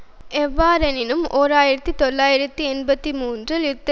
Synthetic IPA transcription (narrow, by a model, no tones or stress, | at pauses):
ɛʋːaːɾɐnɪnɯmʔoːɾaːjɪɾɐt̪ːɯt̪ɔlːaːjɪɾɐt̪ːiɛnbɐt̪ːimuːndrɐlɪt̪ːɐ